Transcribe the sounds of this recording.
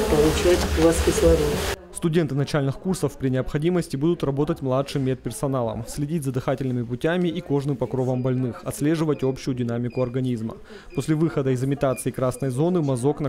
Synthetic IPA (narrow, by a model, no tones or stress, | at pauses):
pɐlˠʊt͡ɕatʲlˠɐskʲɪsʲlˠɐvʲist̪ʊdʲe̞nt̪ɨnɐt͡ɕalʲnɨxkursəfpɾʲɪnʲɪəpxɐdʲiməsʲtʲɪbud̪ʊt̪rɐbo̞t̪ətʲmlˠatʂɨmːʲet̪̚pʲɪrsɐnalˠə̰msʲlʲɪdʲitʲzɐd̪ɨxatʲɪlʲnɨmʲɪpʊtʲæmʲɪʔːko̞ʐnɨmpɐkɾo̞vəmbɐlʲnɨxɐt̪sʲlʲe̞ʐɨvətʲo̞pɕʊjʊdʲɪn̪amʲɪkʊɐrɡɐnʲizmə̰ | posʲlʲɪvɨxəd̪əɪzɨmʲɪt̪at̪sɨːkɾasnəjzo̞nɨmɐzo̞knɐ